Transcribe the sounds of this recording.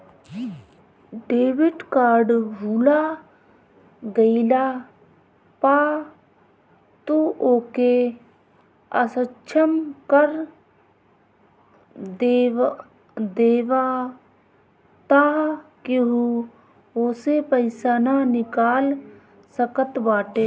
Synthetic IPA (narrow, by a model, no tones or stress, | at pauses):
ɖeːʋɪʈkaːɾɖɦuːla | ɡəilaː | paː | t̪uoːke | əsət͡ʃʰəmkəɾ | d̪eːʋa | t̪akeɦu | oːsepəɪsananɪkaːl | səkət̪baːʈeː